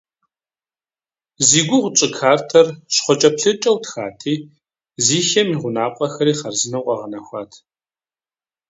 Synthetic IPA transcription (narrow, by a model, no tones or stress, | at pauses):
ziːɡʷʊʁʷʊt͡ʃʼɪkʰaːrtʰɐrɕχʷɔt͡ʃʼɐpɬɨt͡ʃʼɐwtʰxa̰ːtʰiː | ziːxɐmiʁʷʊnaːpʷʼɐxɐɾiːχɐrzɨnɐwqʼɐʁɐnɐxʷɑːtʰ